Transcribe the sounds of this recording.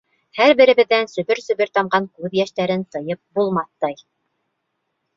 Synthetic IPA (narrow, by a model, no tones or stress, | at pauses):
hæɾbɘ̆ɾɘ̆βɘ̆ðːænsɵ̆βɘɾsɵ̆βɘɾt̪ɑmɢɑŋkʉðjæʃt̪æɾɘnt̪ɤ̆jɤp̚bulˠmɑθːɑj